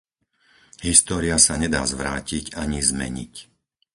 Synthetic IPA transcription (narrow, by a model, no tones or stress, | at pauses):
ɦist̪ɔːɾiasaɲɛd̪a̰ːzʋɾaːciɟaɲizmɛ̰ɲḭc